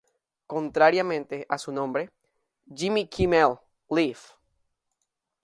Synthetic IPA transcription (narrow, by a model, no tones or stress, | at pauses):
kõnt̪ɾaɾjamẽnt̪eʔasunõmbɾe | d͡ʒimikʰimelː | if